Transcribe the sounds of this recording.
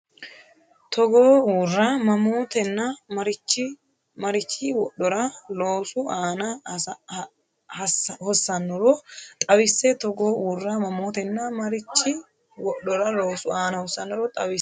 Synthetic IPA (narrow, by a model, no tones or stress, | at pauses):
t̪ʰɔɡoːuːrːamɐmoːt̪ɛnːɐmɐɾɪt͡ʃːɪ | mɐɾɪt͡ʃːɪwɔɗːɔɾɐloːsʊaːnɐ | hɐshɔsːɐnːɔɾɔt̪ʼɐwɪsːɛt̪ɔɡoːuːrːamɐmoːt̪ɛnːɐmɐɾɪt͡ʃːɪ | wɔɗːɔɾɐloːsʊaːnɐhɔsːɐnːɔɾɔt̪ʼɐwɪ